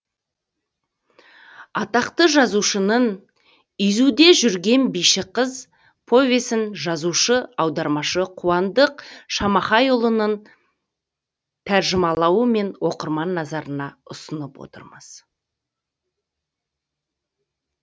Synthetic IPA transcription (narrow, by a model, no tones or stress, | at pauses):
ɑt̪ɑqt̪əʒɑzuʃənən | ʏjzud̪e̞ʒʏɾɡʲe̞nbijʃɪqəz | pʰo̞vʲesɪnʒɑzuʃəɑwd̪ɑɾmɑʃəqʰuwɑnd̪əqʃɑmɑχɑjʊlˠənən | t̪ʰæɾʒɪmɑlˠɑwəme̞nwo̞qəɾmɑnːɑzɑɾənɑʊsənəpwo̰t̪ə̰ɾməz̥